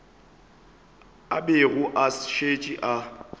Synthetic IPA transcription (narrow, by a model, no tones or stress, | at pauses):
a̰beɣʊʔasʃet͡ʃʼiʔa